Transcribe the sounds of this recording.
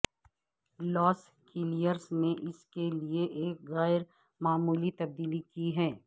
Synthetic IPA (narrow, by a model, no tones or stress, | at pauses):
lɔːs | kiːlijəɾsnẽʔɪskelieʔeːkɣɛːɪɾ | maːmuːlit̪ɐb̚d̪iːlikiɦɛː